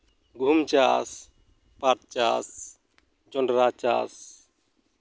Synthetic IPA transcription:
ɡʱumt͡ʃas | pat̪̚t͡ʃas | d͡ʒɔɳɖɾat͡ʃa̰s

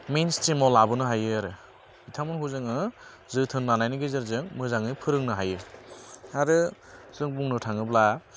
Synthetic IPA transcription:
menstimɔlabɯnɯɦajɯaɾɯ | itʰamɔnhuzɯŋɯ | zɯtʰɯnːanajnɯɡezɯɾzɯŋmɯzaŋɯjpʰɯɾɯŋnɯɦajɯ | aɾɯzɯŋbuŋnɯtʰaŋɯbla

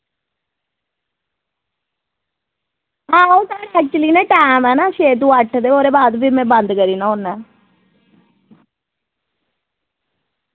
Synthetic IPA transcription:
ɦãːoːt̪aːɽɛk̚t͡ʃʊliːnẽːʈaːmɛːnaːʃeːt̪ũːəʈʰd̪eːoːɾeːbaːd̪biːmɛ̃ːbənd̪kəɾiːnãːonɛː

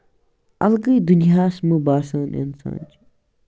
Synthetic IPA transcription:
ɐ̰lɡəjd̪unjaːsmubaːsaːnḛnsã̰ːnt͡ʃi̥

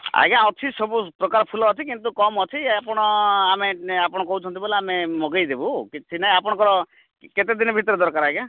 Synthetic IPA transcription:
a̰ɦɡãɔt͡ʃʰisɔbupɾɔkaɾɔpʰulɔːt͡ʃ̪ʰikint̪ukɔmɔt͡ʃʰiapɔɽ̃ɔameapɔɽ̃ɔkɔɦut͡ʃʰɔnt̪iboleamemɔɡejd̪ebukit͡ʃʰinaj̃apɔɽ̃ɔkɔɾɔ | ket̪ed̪inɔbʱit̪ɔɾɔd̪ɔɾkaɾaɦiɡã

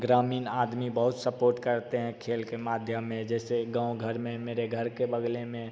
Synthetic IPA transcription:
ɡɾaːmiːnaːd̪mibəɦʊt̪səpoːɾʈkəɾt̪eɦɛ̃kʰeːlkemaːd̪ʱjəmːẽd͡ʒɛːseɡãːũɡʱəɾmẽmeːɾeɡʱəɾkebəɡlemẽ

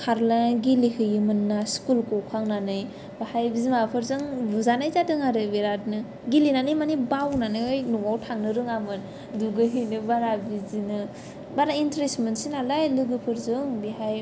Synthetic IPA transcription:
kʰaɾlaɡilihʰɯjɯmɯnːaskulkokʰaŋnanɯj | bahajbizimapʰɯɾzɯŋbuzanajzadɯŋaɾɯbeɾatnɯ | ɡilinanɯjmanibawnanɯɯjnuwawtʰaŋnɯɾɯŋamɯn | duɡɯɦɯjnɯbaɾabizinɯ | baɾaintɾesmensinalajlɯɡɯpʰɯɾzɯŋbiɦaj

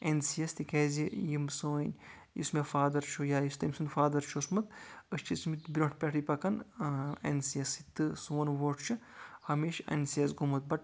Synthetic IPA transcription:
ensijɐst̪ikʰezʲijimsoːinʲ | jḭsmefaːd̪ɐɾt͡ʃʰojaːjist̪ɐmʲsɨnfaːd̪ɐɾt͡ʃʰosmɐt̪əst͡ʃʰit͡smit̪bʲɾʲoɳʈʰpʲeʈʰipɐkɐnɐ̰nsijɐsit̪ɨsuːɐnʋoːʈʰt͡ʃʰɨhɐmeːʃɐ̰nsijɐsɡumɐt̪̚bɐʈ̚

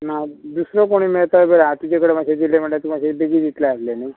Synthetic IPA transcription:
nad̪usɾɔkoɽ̃iːmeɭt̪ajbəɾaat̪ud͡ʑekəɽemaɕed̪ilem̤əɳʈat̪umaɕebeɡiːd̪it̪leaslenaj

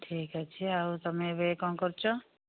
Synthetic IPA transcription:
ʈʰiːkat͡ʃʰiaut̪əmẽbekɔ̃kɔɾt͡ʃʰo

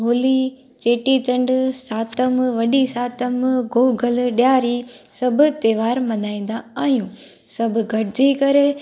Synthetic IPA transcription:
ɦoːli | t͡ɕeːʈit͡ɕɐ̃ɳɖsaːt̪əmʋɐɗisaːt̪əmɡoːɡʱəlɗjaːɾisɐbʱʊ̆t̪eːʋaːɾmɐ̃naːĩːnd̪aaːɦijũ | sɐbʱʊɡʱɐɽɪd͡ʑikɐɾe

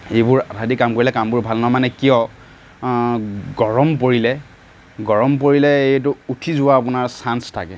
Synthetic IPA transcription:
ejbʊɹatʰadikamkoɹilɛkambʊɹbʱalnɔmanɛkijɔ | ɡɔɹɔmpoɹilɛ | ɡɔɹɔmp̬oɹilɛetʊutʰizʊwaːp̬ʊnaɹsanstʰa̰kɛ

